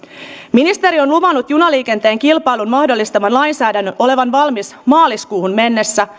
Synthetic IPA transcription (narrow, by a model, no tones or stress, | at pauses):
minist̪e̞ɾio̞nluʋɑnːut̪junɑliːke̞nt̪e̞ːŋkilpɑjlunmɑhdo̞lːist̪ɑmɑnlɑjnsæːdænːøʔo̞le̞ʋɑnʋɑlmismɑːliskuːhunme̞nːe̞sːæ